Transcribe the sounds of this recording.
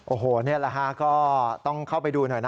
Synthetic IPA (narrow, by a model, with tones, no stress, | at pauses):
ʔoː˨˩ɦoː˨˩˦ni˥˩ɐla˧˩kʰa˦˥kɔː˥˩t̪ɔ˥˩ŋkʰa˥˩wpa˧jduː˧nɔ˨˩jna˦